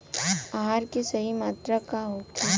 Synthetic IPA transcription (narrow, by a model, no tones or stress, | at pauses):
aɦaːɾkesɐɦimaːt̪ɾakaɦoːke